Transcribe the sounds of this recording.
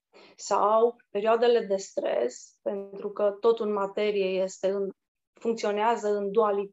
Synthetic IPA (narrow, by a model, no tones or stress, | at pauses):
sa̰wpe̞ɾioad̪e̞le̞d̪e̞st̪ɾe̞̰spe̞nt̪ɾukət̪o̞t̪ɨnmat̪e̞ɾije̞je̞st̪e̞ɨn | fuŋkt̪sio̞neazəɨnd̪uali